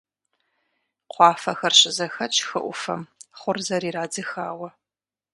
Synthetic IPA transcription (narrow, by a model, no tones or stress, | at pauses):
qʷɑːfɐxɐrɕɪzɐxɐt͡ʃʼxɨʔʷʊfɐ̰mχʷʊrzɐɾiːraːd͡zɨxaːwɐ